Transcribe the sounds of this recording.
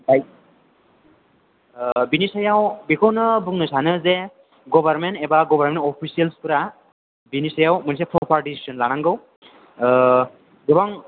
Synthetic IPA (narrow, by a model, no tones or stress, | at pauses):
baj | binisajawbikʰɔwnɯbuŋnɯsanɯze | ɡɔbaɾmentɛbaɡɔbʱaɾmenɔpʰisijalspuɾa | binisajawmɯnisapʰɔpʰaɾdisi̥zɔnlañaŋɡɯw | dɯbaŋ